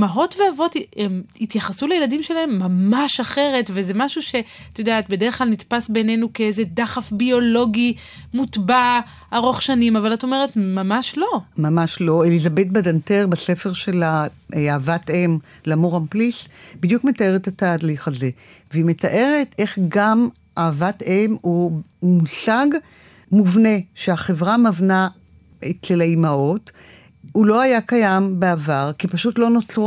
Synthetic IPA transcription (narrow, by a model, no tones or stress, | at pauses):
maɦo̞tveavo̞tiemitjaχasulejeladimʃelahemːamaʃaχe̞ʁetvezemaʃuʃe̞t̪ajodeaːt̚bedeeχklalnitpasbene̞nukeezedaχafbio̞lo̞ɡi | mutba | aʁo̞χʃanimavalato̞me̞ʁetmamaʃlo̞mamaʃlo̞elizabet̚badanteʁbasefe̞ʁʃela | ʔeaːvatem | lamuʁamplisbidjukme̞tae̞ʁetataːliχaze̞veime̞taʔe̞ʁete̞χɡam | ʔaːvatemumusaɡ | muvne̞ʃeaχevʁamavna | etlelaimao̞t | ulo̞ajakajambeavaʁkipaʃutlonotu